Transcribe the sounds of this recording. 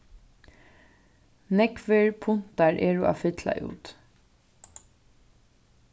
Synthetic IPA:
nɛkʋɛɹpʰʊnt̪aɹʔeːɹuʔa̰fɪt̪la̰ʔṵːt̪

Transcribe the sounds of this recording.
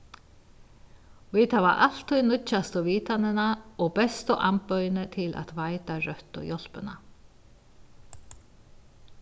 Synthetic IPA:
vit̪hava̰ʔal̥t̪ujnʏt͡ʃːast̪ɔviːt̪anɪnaɔɣpɛst̪ʊʔampœjnɪt̪ʰɪla̰t̪vajt̪arœht̪ɔ̰jɔl̥pʏna̰

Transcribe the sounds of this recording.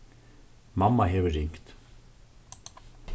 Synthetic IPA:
mamːaɦɛvʏɾːiŋ̥kt̪

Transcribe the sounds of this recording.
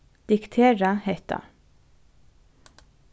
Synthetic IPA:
d̪̥ɪkt̪ʰeːɾɑheɪt̪ʰɑ̰

